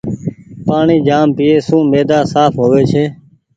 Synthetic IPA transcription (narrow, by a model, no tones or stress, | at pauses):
paːɳiːd͡ʒaːmpɪːeːsũːmeːd̪aːsaːpɦoːʋeːt͡ʃʰeː